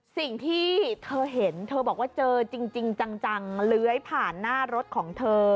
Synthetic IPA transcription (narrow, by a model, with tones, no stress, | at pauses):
si˨˩ŋt̪ʰiː˥˩t̪ʰɤː˧ɦe˩˦nt̪ʰɤː˧bɔː˨˩k̚waː˥˩t͡ɕɤː˧t͡ɕi˧ŋt͡ɕi˧ŋt͡ɕa˧ŋt͡ɕa˧ŋlɯː˦˥jpʰaː˨˩nːaː˥˩ɾo˦˥t̪̚kʰɔː˩˦ŋt̪ʰɤː˧